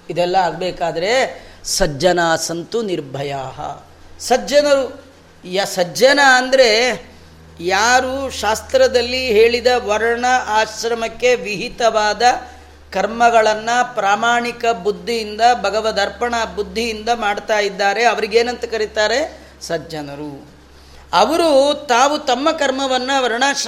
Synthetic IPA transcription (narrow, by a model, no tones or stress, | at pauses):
id̪ɛlːɐaːɡ̚beːkaːd̪ɐɾe̞sɐd͡ʒɐnaːsɐnt̪uniɾbʱɐjaːɦɐ̰ | sɐɐnɐɾu | jɐsɐɐnaːnd̪ɐɾe̞ | jaːɾuʃaːst̪ɾɐd̪ɐlːiɦe̞ːɭid̪ɐʋɐɾɐɳɐʔaːʃɾɐmɐkːe̞ʋiɦit̪ɐʋaːd̪ɐ | kɐɾmɐɡɐɭɐnːɐpɾaːmaːɳikɐbud̪ʱːijind̪ɐbʱɐɡɐʋɐd̪ɐɾpɐɳɐbud̪ʱːijind̪ɐmaːɽt̪aːjid̪ːaːɾe̞ɐʋɐɾiɡeːnɐnt̪ɐkɐɾit̪aːɾe̞ | sɐd͡ʒd͡ʒɐnɐɾu | ɐʋɐɾut̪aːʋut̪ɐmːɐkɐɾmɐʋɐnːɐʋɐɾɐɳaː